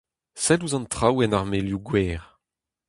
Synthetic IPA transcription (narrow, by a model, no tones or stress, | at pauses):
sɛluzɑ̃nt̪χawɛnaʁmeljuɡwɛːʁ